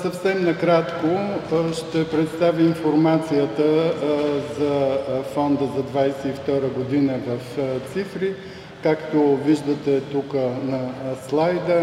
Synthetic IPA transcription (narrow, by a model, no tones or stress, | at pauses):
sɐfsɛmnɐkɾat̪koʃt̪ɛpɾɛt̪st̪avʲjəinfoɾmat̪sijət̪ə | zɐfɔnd̪əzɐd̪vajsɛift̪ɔɾəɡod̪inəvɐft̪sifɾi | kakt̪oviʒd̪ət̪ɛt̪ukənɐslˠajd̪ə